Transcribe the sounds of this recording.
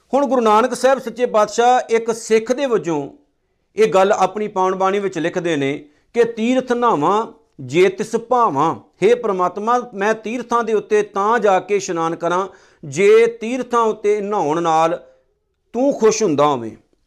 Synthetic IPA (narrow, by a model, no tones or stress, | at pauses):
hʊɳɡʊɾunaːnəksɛːbsətːt͡ʃeːpaːd̪ʃaːɪksɪkʰd̪eːbəd͡ʒõː | eːɡəlaːpɳiːpaːʊɳbaːñiːʋɪt͡ʃlɪkʰd̪eːneː | kɪt̪iːɾt̪ʰnaːʋãː | d͡ʒeːt̪ɪspaːʋãːheːpəɾəmaːt̪mãːmɛ̃ːt̪iːɾt̪ʰãːd̪eːʊt̪ːeːt̪ãːd͡ʒaːkeːʃənaːnkːəɾãː | d͡ʒeːt̪iːɾt̪ʰãːʊt̪ːeːnãːʊɳnaːl | t̪ũːkʰʊʃɦʊ̃nd̪aːɦo̰ːʋḛ̃ː